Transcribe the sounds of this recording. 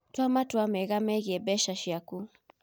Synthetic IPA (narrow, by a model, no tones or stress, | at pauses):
twamatwamɛɣamɛɣiɛbɛʃaʃiaku